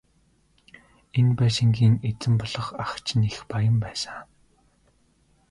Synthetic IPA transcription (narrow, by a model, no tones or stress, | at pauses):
enpæːʃɪ̆ŋɡiːŋet͡sɘ̆mpɔɮɞ̆χaχt͡ɕʰnexpajə̆mpæːsə